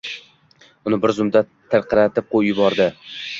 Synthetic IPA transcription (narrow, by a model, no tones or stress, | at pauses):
ʊnɪbɪɾzʊmd̪a | t̪ʰɨɾqʰɨɾat̪ɪp̚qʰojjʊbɒɾd̪ɪ